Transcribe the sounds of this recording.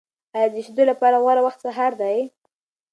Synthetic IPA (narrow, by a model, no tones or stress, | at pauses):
ɑjɑd̪əʃd̪olapɑɾaɣwaɾawaxt̪saɦaɾd̪aj